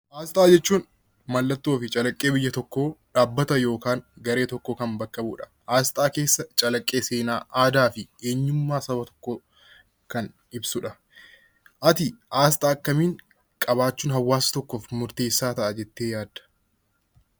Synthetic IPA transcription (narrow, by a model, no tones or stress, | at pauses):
ʔaːst̪ʼaːd͡ʒɛt͡ʃːuːn | mɐlːɐt̪ːoːfɪt͡ʃʼɐlɐkʼːe̞ːbɪjːɐt̪ɔkːo̞ːᶑaːbːɐt̪ɐjo̞ːkaːŋɡɐɾe̞ːt̪ɔkːoːkɐmbɐkːɐbʊᶑɐ̥ | ʔaːst̪ʼaːke̞ːsːɐt͡ʃʼɐlɐkʼːe̞ːse̞ːnaːʔaːd̪aːfɪe̞ːɲːʊmːaːsɐbɐt̪ɔ̥kːoː | kɐn | ɪbsʊᶑɐ | ʔɐt̪ɪʔaːst̪ʼaːkːɐmiːŋ | kʼɐβaːt͡ʃːuːnɦɐwːaːsɐ̥t̪ɔkːoːfmʊɾt̪e̞ːsːaːt̪ɐʔɐd͡ʒɛt̪ːeːjaːd̪ɐ̥